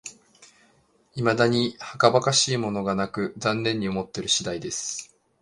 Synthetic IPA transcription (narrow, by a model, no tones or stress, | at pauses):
imad̪aɲ̟ihakabakaɕiːmo̞no̞ɡanakɯ̟zãnːẽ̞ɲ̟ːiomo̞t̪ːe̞ɾɯ̟ɕid̪aid̪e̞sɨ̥